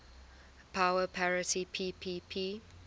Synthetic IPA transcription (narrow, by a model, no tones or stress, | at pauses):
pʰaʊəpʰaɹɪtipʰiːpʰiːpʰi